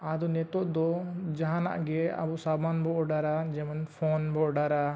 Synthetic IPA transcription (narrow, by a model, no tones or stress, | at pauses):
ad̪ɔnɛt̪ɔʔd̪ɔd͡ʒaɦãna̰ʔɡɛa̰bɔsabanbɔʔɖaɾad͡ʒɛmanpʰɔnbɔɖaɾa